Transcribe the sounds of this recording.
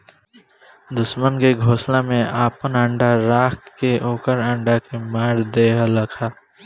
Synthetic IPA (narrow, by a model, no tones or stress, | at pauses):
d̪ʊʃmənkeɡʱoːsnamẽaːpənə̃ɳɖaɾaːkkeʔoːkəɾɐ̃ɳɖakemaːɾd̪eːɦləkʰaː